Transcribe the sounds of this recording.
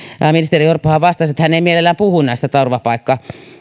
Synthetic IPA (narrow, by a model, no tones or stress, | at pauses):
ɑminist̪erijorpːohɑʋɑst̪ɑset̪hæneˑmielelːæːmpuhunæˑst̪æt̪ɑurʋɑpɑikːɑː